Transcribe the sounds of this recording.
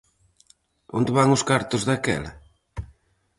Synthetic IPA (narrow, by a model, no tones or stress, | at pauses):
o̰nd̪ɪβaŋʊskaɾt̪ʊzðakɛ̰lɐ̰